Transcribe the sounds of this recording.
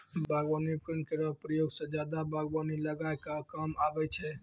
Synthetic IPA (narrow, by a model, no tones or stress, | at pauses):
baɡʋanipɾənkeɾəpɾəjoɡsẽd͡ʒad̪abʱaɡbaniləɡaekakamabɛt͡ʃʰɛ